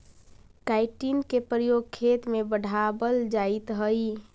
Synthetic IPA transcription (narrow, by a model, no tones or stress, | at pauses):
kaɪʈinkepəjoːɡ̚kʰet̪mebəɽ̤ʱabəld͡ʒaɪt̪ɦəi